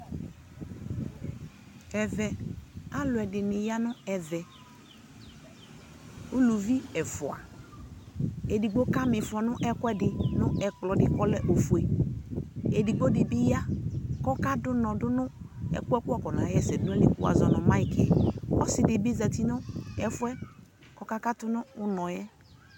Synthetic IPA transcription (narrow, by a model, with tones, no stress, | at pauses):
ɛ˨vɛ˨a˦lʊ˨ɛ˨dɪ˨nɪ˨ja˦nʊ˦ɛ˨vɛ˨ | u˦lu˨vi˦ɛ˨fʊ˨a̰˨ | e˨di˨ɡ͡bo˦ka˦mɪ˨fʊ˨a˨nʊ˦ʔɛ˦kwɛ˦dɪ˨nʊ˦ɛ˨klɔ˨dɪ˨kɔ˦lɛ˦ʔo˨fu˨e˨ | e˨di˨ɡ͡bo˦dɪ˨bi˦ja˦kɔ˦ka˦dʊ˦nɔ˨dʊ˦nʊ˦ɛ̰˨kʊ˦ɛ˦kʊ˦ɔ˦˨kɔ˨na˨jɛ˦sɛ˨dʊ˦ɛ˦li˨kṵ˨a̰˨zɔ˨nɔ˨ma˦ɪ˦˨kɛ˨ɔ˦sɪ˨dɪ˨bi˦za˨ti˨nʊ˦ɛ˨fʊ˦ɛ˦ | kɔ˦ka˦ka˦tʊ˦nʊː˦nɔ˨jɛ˦